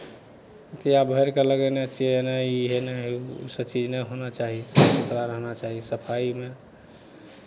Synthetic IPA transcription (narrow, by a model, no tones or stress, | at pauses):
kijabʱəɪɾkeləɡɛneət͡ʃʃʰiɦenaiɦenaɦṵsəbt͡ʃid͡ʒnəjɦonat͡ʃaɦisəit̪ɾaɾəɦnat͡ʃaɦisəpʰaime